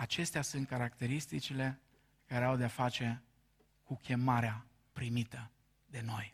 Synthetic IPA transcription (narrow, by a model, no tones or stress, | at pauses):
at͡ʃe̞st̪easunt̪̚kaɾakt̪e̞ɾist̪it͡ʃile̞ | kaɾe̞awd̪eafat͡ʃe̞ | kukʲe̞maɾea | pɾimit̪ə | d̪e̞no̞j